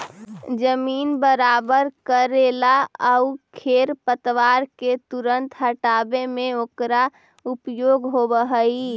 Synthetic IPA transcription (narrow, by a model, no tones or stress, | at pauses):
d͡ʒəmiːnbəɾabəɾkəɾelaəukʰeɾpət̪ʋaɾket̪uɾənt̪ɦəʈabemẽokɾa | upjoɡɦobəɦəi